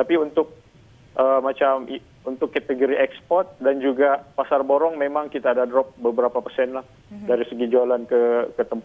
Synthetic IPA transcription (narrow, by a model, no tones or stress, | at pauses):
t̪apiunt̪ʊk̚ | ʔəːmat͡ʃami | unt̪ʊkːat̪əɡoɾiʔɛkspɔrt̪̚dand͡ʒuɡapasarboɾɔŋmemaŋkit̪aːdadɾɔp̚bəbəɾapapərsɛnlah | daɾisəɡid͡ʒoalankəkət̪əmp